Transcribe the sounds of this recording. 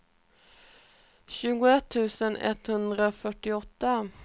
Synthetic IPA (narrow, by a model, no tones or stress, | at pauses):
ɕʉ̟ːɡʊɛt̪ʰːʉ̟ːsənɛ̰t̪ːhɵnd̪ɾaofœʈːɪɔt̪ːa